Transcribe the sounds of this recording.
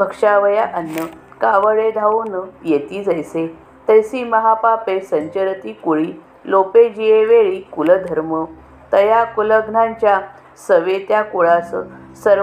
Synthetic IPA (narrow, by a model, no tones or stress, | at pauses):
bʱəkʂaʋəjaʔənːə | kaʋəɭed̪ʱaunəjet̪iːd͡zajse | t̪əjsiːməɦapapesəɲt͡ɕəɾət̪iːkuɭiː | loped͡ʑieʋeɭiːkuləd̪ʱəɾmə | t̪əjakuləɡnãɲt͡ɕja | səʋet̪jakoɭassəɾ